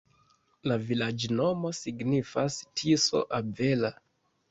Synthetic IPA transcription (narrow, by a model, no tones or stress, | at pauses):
lavilad͡ʒno̞mo̞siɡnifastʰiso̰ʔave̞la